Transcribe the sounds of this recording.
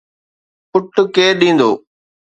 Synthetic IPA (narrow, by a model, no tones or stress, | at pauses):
pʊʈkeːɗĩːnd̪o̰ː